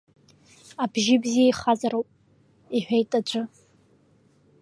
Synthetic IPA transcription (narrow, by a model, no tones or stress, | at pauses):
abʒɪbzijaiχazaɾowpʼ | iħʷᶣejtʼad͡ʒʷʰʼʊ